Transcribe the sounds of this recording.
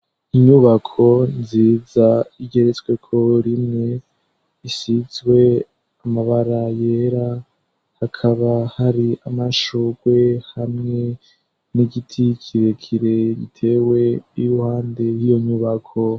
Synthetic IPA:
iɲuβakʰo̞nziːzaiɟe̞ɾet͡swe̞kʰo̞ɾimŋe̞ | isizwe̞ | amaβaɾaje̞ɾa | hakʰaβahaɾiamaʃoɡwe̞hamŋe̞ | niɟitʰikʰiɾekʰiɾe̞ɡḭtʰe̞ːwe̞ijuhaːnde̞jijo̞ɲuβakʰo̞

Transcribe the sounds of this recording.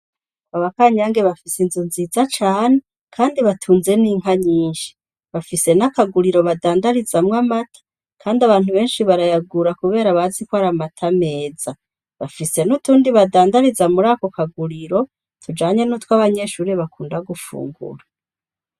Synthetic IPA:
aβakaɲaːŋɡe̞βafisinzunzizat͡ʃaːne | kʰaːndiβatʰuːnze̞niːŋ̥haɲiːnʃi̥ | βafise̞nakaɡuɾiɾo̞βadaːndaɾizamŋamatʰḁ | kʰaːndiaβaːn̥huβe̞ːnʃiβaɾajaɡuɾakuβe̞ːɾaβazikwaɾamatʰame̞ːza | βafise̞nutuːndiβadaːndaɾizamuɾaːko̞kaɡuɾiɾo̞ | tʰud͡ʒaːɲe̞nuːtwaβaɲe̞ʃuːɾiβakuːndaɡufṵːŋɡṵɾa

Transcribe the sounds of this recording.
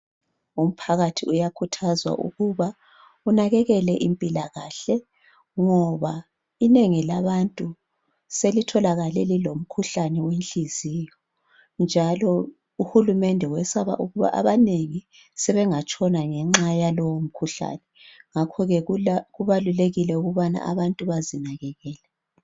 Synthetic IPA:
um̩pʰaɣatʰiujakʰutʰazwa̰ʔṵɣuβa | unaɣɛɣɛlɛʔimpʼilaɣaːɬɛ | ŋɔβa | ineŋilaβantʼu | selitʰɔlaɣalɛlilom̩kʰuɬanɛwenɬiziːjɔ | nd͡ʒʱalɔ | uhulumɛndʱɛwɛsaβa̰ʔuɣuβa̰ʔa̰βaneŋi | sɛβɛŋat͡ʃʼɔnaŋɛŋ͡ǁajalɔwom̩kʰuɬa̰nɛŋakʰɔɣɛɣuβaluleɣilɛuɣuβana̰ʔa̰βantʼuβazinaɣɛɣɛːlɛ

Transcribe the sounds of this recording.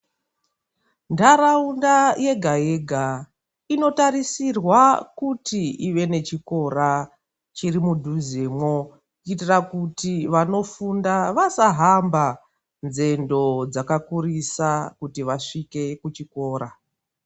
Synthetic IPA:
ndaɾaundaje̞ɡʱaje̞ɡʱa | ino̞tarisirwakutiiʋe̞ne̞t͡ʃiko̞ɾa | t͡ʃirimudʱuzemwo̞ | uitirakutiʋano̞fundaʋasaɦamba | nze̞ndo̞d͡zakakurisakutiʋaʂike̞kut͡ʃiko̞ːɾa

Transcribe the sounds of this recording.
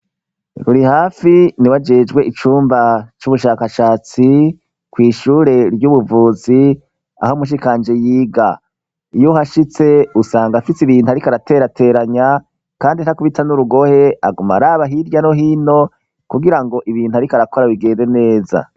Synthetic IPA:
kuɾihaːfiniwad͡ʒe̞ːd͡ʒɡwe̞ʔit͡ʃuːmbat͡ʃuβuʃaːkaʃaːt͡si | kwiːʃuːɾe̞ɾjuβuvuːzi | a̰homuʃ̬ikaːnd͡ʒejiːɡa | ijuhaʃit͡se̞usaːŋɡafisiβiːn̥uaɾikaɾate̞ɾatʰe̞ːɾaɲa | kaːndin̥hakuβitanuɾuɡo̞he̞a̰ɡuma̰ɾaːβaɦiɾjano̞ɦiːno̞ | kuɡiɾaŋɡo̞ʔiβiːn̥uaɾikaɾako̞ɾaβiɡe̞ːnde̞ne̞ːza̰

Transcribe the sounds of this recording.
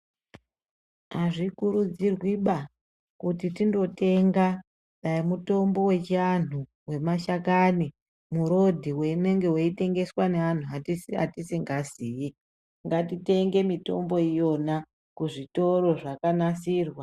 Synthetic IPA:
ɦaʐikuɾud͡zirwiɓa | kutitindo̞te̞ŋɡa | ɗaimuto̞mbo̞we̞t͡ʃan̤u | we̞maʃakani | muɾo̞dʱiwe̞ine̞ŋɡe̞weite̞ŋɡe̞swane̞an̤uaa̰tisiŋɡaziːje | ŋɡatite̞ŋɡe̞mito̞̰mbo̞ijo̞na | kuʐito̞ro̞ʐakanasiːrwa

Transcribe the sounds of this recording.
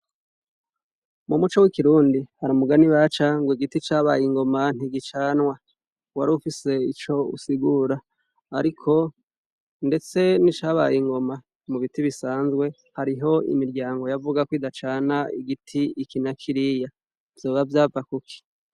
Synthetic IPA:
mumut͡ʃo̞wikiɾuːndihaɾamuɡaniwat͡ʃaŋɡwiɡitit͡ʃaːβajiŋɡo̞man̥iɡit͡ʃaːnwa | waɾuufise̞it͡ʃo̞ṵsiɡuːɾaː | ɾikʰo̞ | nde̞t͡se̞nit͡ʃaːβa̰jiŋɡo̞ma | muβitiβisaːnzɡwe̞ | haɾiɦo̞ḭmiɾɟaːŋɡo̞javuɡakwiːdat͡ʃaːnaḭɡitʰiikinakʰiɾija | v̥jo̞ːβavjaːvakukʰi̥

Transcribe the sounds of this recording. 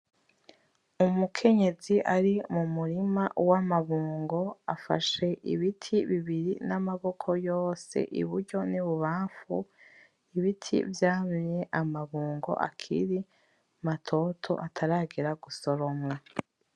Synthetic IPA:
umukʰe̞ɲe̞ziʔaɾimumuɾimawamaβuːŋɡo̞afa̰ʃe̞ʔḭβitʰiβiβiɾinamaβo̞kʰo̞jo̞ːse̞̰ʔḭβuɾɟo̞niβuβaːɱfu | iβitʰḭvjaːmɲe̞ʔamaβuːŋɡo̞̰ʔa̰kʰḭɾi | matʰo̞tʰo̞̰ʔatʰaɾaːɡeɾaɡuso̞ɾo̞mwa

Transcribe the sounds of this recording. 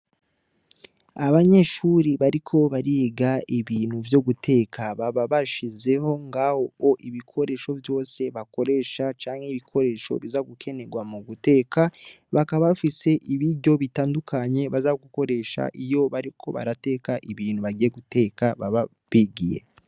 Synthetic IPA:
aβaɲe̞ʃuɾiβaɾikʰo̞βaɾiɡaiβiːn̥huvjo̞ɡutʰe̞ːkʰaβaβaβaʃize̞ho̞ŋɡaho̞oʔiβikʰo̞ɾe̞ʃo̞vjo̞ːse̞βako̞ɾe̞ːʃat͡ʃaːŋheiβikʰo̞ɾe̞ːʃo̰βizaɡukʰe̞ne̞ɡwamuɡute̞ːka | βakaβaβafise̞ʔiβiɾɟo̞βitaːndukʰaɲe̞βazaɡuko̞ɾe̞ːʃa̰ʔijo̞βaɾikʰo̞̰βa̰ɾate̞ːkaʔiβiːnhuβaɡijeɡute̞kaβaβa | βiɡijḛ

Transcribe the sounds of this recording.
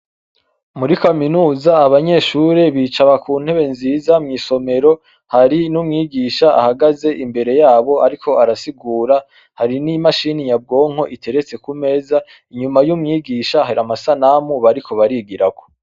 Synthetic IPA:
muɾikaminuːzaːβaɲe̞ːʃuɾe̞βiːt͡ʃaβakuːn̥he̞βe̞nziːzamŋiːso̞me̞ɾo̞ | haɾinumŋiːɡiːʃaa̰haɡaze̞ʔimbe̞ɾe̞jaːβo̞aɾikʰo̞aɾasiɡuːɾa | haɾinimaʃinijab̚ɡo̞ːŋ̥ho̞ʔitʰe̞ɾe̞t͡se̞kume̞ːza | iɲumajumŋiːɡiʃahaɾiamasanamuβaɾikʰo̞βaɾiɡiɾako̞

